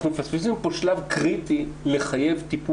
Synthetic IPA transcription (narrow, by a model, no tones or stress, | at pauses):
χnumefaspis̬impo̞ʃlavkʁit̪ileχaje̞vt̪ipu